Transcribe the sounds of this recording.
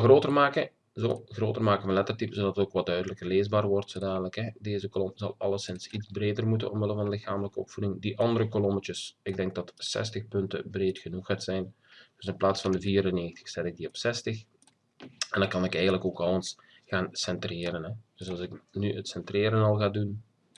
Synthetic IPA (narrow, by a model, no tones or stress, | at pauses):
xroːtərmaːkə | zo̰ːɣroːtərmaːkəvɑnlɛtərtipəzodɑtətoːkʋɛldœɥdələkərleːzbaːrʋɔrtsoːdaːnələkɦɛdeːzəkolɔmzɑ̰lˠɑlˠəsɪnsidzbreːdərmutə̰nɔ̰mʋɪləvɑndəlɪxaːmələkəɔ̰pfudɪŋdiʔɑndəɾəkolɔmət͡ʃəsɪɡ̚dɛŋɡ̚dɑtsɛ̰stəxpɵntə̰breːtxənuxaːtsɛjn | d̥ɵsɪnplaːtsfɑndəviːɾəneːxəntə̥xsɛtɪɡ̚diɔpsɛstəx | ɛndɑkɑnɪkɛjɣəntləkoːkɑlˠəns | ɣaːnsɛntreːɾənɦɛd̥øzɑlˠzɪknyətsɛntreːɾənɑlˠɣaːdun